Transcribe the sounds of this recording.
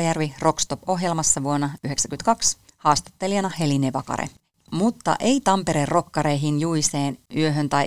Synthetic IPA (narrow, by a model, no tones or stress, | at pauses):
jærʋiro̞kst̪o̞po̞ɦje̞lmɑsːɑʋuonːɑyɦe̞ksækynt̪kɑks | hɑːst̪ɑ̥t̪ːe̞liɑnɑhe̞lineʋɑkɑ̰ɾḛ | mut̪ːɑ̰ʔe̞ijt̪ɑmpe̞ɾerːo̞kːɑɾe̞jɦinjuiseːnyøɦø̞nt̪ɑj